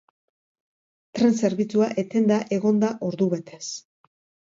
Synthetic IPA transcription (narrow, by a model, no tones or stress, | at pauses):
t̪ɾe̞nse̞ɾβit͡suaʔe̞t̪e̞nd̪aʔe̞ɣ̞o̞nd̪aʔo̞ɾðuβe̞t̪e̞s